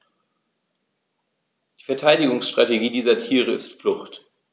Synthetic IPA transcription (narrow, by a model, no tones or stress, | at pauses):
d̥iːfɛɐtʰaɪdɪɡʊŋsʃtʁ̥ateɡiːdiːzɐtʰiːʁ̞əɪstflʊχt